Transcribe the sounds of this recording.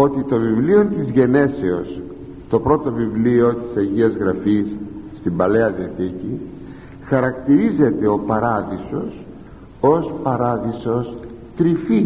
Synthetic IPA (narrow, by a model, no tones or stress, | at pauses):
o̞t̪it̪o̞vivlio̞nt̪izʝe̞ne̞seos | t̪o̞pɾo̞t̪o̞vivlio̞t̪i̥sɐʝiɐzɣɾɐfisː | t̪imbɐle̞ɐðiɐθici | xɐɾɐkt̪iɾize̞t̪e̞o̞pɐɾɐðiso̞s | o̞spɐɾɐðiso̞s | t̪ɾifi